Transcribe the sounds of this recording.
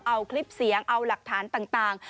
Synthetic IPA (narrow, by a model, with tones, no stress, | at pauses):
ʔa˧wkʰli˦˥p̚si˨˩˦əŋʔa˧wla˨˩k̚t̪ʰaː˩˦nt̪aː˨˩ŋt̪aː˨˩ŋ